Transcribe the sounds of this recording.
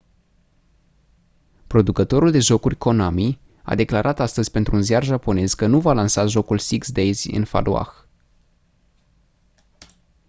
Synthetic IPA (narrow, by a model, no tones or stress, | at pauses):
pɾo̞d̪ukət̪o̞ɾuld̪e̞ʒo̞kurʲko̞nami | a̰d̪e̞klaɾʔat̪ast̪əzʲpe̞nt̪ɾuːnziarʒapo̞ne̞zkənuvalansaʒo̞kulsiksd̪ejzʲɨ̰nfa̰lʔoa̰x